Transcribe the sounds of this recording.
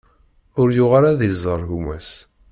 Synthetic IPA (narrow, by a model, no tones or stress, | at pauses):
ʊɾjʊʁaɾaðizˤːəɾˤɣumæs